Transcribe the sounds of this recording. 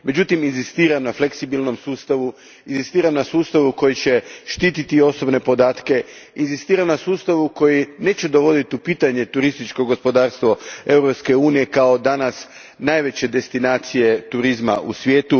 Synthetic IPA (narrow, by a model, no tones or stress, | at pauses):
me̞d͡ʑut̪iminzist̪iːɾamnafleksibilˠno̞msuːst̪aʋu | inzist̪iːɾamnasuːst̪aʋuko̞jit͡ɕe̞ʃt̪iːt̪it̪io̞sobne̞po̞d̪aːt̪ke̞inzist̪iːɾamnasuːst̪aʋuko̞jine̞t͡ɕed̪o̞ʋo̞d̪it̪iupiːt̪aɲe̞t̪uɾist̪it͡ʃko̞ɡospo̞d̪aːɾst̪ʋo̞e̞wɾo̞pske̞uːnije̞kao̞d̪anas | naːjʋe̞t͡ɕe̞d̪e̞st̪inaːt̪sije̞t̪uɾizma̰ʔṵsʋje̞ːt̪u